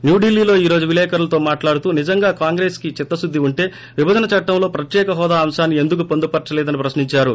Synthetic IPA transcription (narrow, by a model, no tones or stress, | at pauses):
njuːɖilːiːlo̞ːiːɾo̞ːd͡ʒuʋilɛːkɐɾulɐt̪o̞ːmaːʈlaːɽut̪uːnid͡ʒɐŋɡaːkaːŋɡɾe̞ːskit͡ʃit̪ːɐsud̪ʱːiuɳʈe̞ː | ʋibɐd͡ʒ̪ɐnɐt͡ʃɐʈːɐmlo̞ːpɾɐt̪jɛːkɐɦɔːd̪aːmʃaːnːie̞nd̪uk̬upond̪upɐɾt͡ʃɐleːd̪ɐnipɾɐsniɲt͡ʃaːɾu